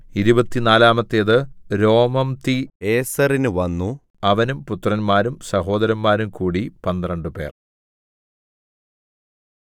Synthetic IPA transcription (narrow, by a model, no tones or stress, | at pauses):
iɾubɐt̪ːinaːlaːmɐt̪ːeɐðɨɾo̞ːmɐmt̪ieːsɐrinɨʋɐnːu | ɐʋɐnumput̪ːrɐnmaːɾumsɐɦo̞ːd̪ɐɾɐnmaːɾumkuːɽipɐnd̪rɐɳɖɨpe̞̰ːr